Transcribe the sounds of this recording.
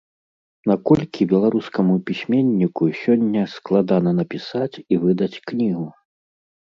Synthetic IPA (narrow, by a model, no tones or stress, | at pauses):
nakɔlʲkʲibʲɛlˠaɾuskɐmupʲisʲmʲenʲːikusʲɔnʲːɐsklˠad̪anɐnɐpʲisat͡sʲivɨd̪ɐt͡sʲknʲiɣu